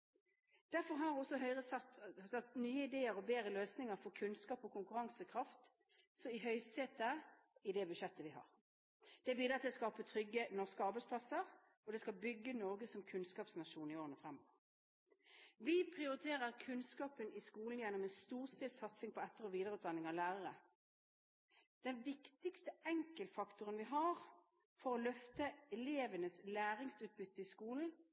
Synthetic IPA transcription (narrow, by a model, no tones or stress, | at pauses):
d̪̥æɾfɔʁɦɑɾɔsɔɦœʏʁəsɑt̪sɑt̪nyːəɪd̪eːəɾɔbeːɾəløːsnɪŋəɾfɔkʰʉnskɑːpɔkʰʊŋkʉɾɑŋsəkʰʁɑft̪ | sɔɪɦœʏsteːt̪ə | ɪd̪ɛbʉʃɛt̪ːəʋɪhɑ̰ːʁ | d̪̥ɛæbiːd̪ɾʁɑt̪ʰɪlɔskɑːpət̪ʰʁʏɡːənɔskəɑʁbɛɪspʰlɑsəʁ | ɔd̪ɛskɑbʏɡːənɔʁɡəsɔmkʰʉnskɑːpsnɑʃuːnɪoːʁənəfʁɛmːɔʋəɾ | ʋɪpʰʁɪʊʁɪt̪ʰeːʁəʁkʰʉnskɑːpənɪskuːln̩jɛnːɔmɛnst̪uːʁst̪ɪːlsɑt̪sɪŋpʰɔɛt̪ːəʁɔʋiːd̪əʁəʉːt̪̚d̪ɑnːɪŋɑʋlæːʁəʁə | d̪̥ɛnʋɪkt̪ɪkst̪əɛŋkəlt̪fɑkt̪ʊʁənʋɪɦɑʁ | fɔʁɔlœft̪əɛleːʋənəslæːʁɪŋsʉːt̪̚bʏt̪ːəɪskuːln̩